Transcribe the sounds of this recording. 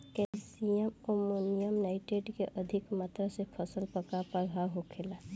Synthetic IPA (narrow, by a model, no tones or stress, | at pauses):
kɛlsijəmomunijəmnaɪʈeɖkeʔəd̪ʱikmat̪ɾəsepʰəsəlpəkapəɾbʱaɦokʰela